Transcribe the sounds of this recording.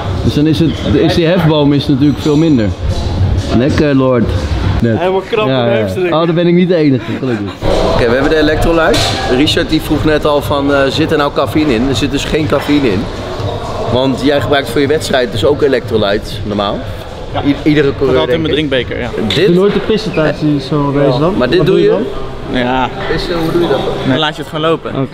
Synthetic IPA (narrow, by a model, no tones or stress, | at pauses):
d̥øsdɔnɪsətɪsdiɦɛfbowmɪsənat̬yːləkfɪːlˠmɪndəɹ | nɛkəlɔɹtnɛnjajodɔbɛnɪk̚nit̚dəejnəχəχələkəowkejʋəɛbədəelɛk̚trolɛjtsriʃaɹt̚difruχnɛtɑlˠfɑnəzɪtəɹnawkafinɪnəɹzɪt̚dɵsχejnkafinɪn | ʋɑntjɛjχəbrœɥktfʊːɹjəʋɛtstrɛjt̚dɵsowkelɛk̚trolɛɥt | nɔɹma̰ːlˠ | idərəkolˠtmədrɪŋk̚bejkə̰ɹjadɪnoːjtdəpɪsətaːsisoʋejsdɔnmaːɹdɪd̚dujə | jaːpɪsəɦudujədɑtɔlaːtəətχonlowpəo̰